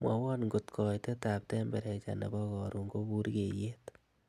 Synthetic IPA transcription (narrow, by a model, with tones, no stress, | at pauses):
mwa˨wɔ˦nŋɡo˨tkʰɔ˨jte˦ta˨p̚tɛmbɛɾɛt͡ʃa̰nḛ˨bɔ˦kɔ˨ɾu˨ŋɡo˦bu˦ɾke˨je˦t